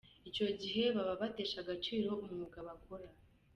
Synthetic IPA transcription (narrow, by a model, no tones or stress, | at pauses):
it͡ʃo̞ɟiɦe̞βaβaβate̞ːʃaɡat͡ʃiːɾo̞umŋuɡaβakoɾa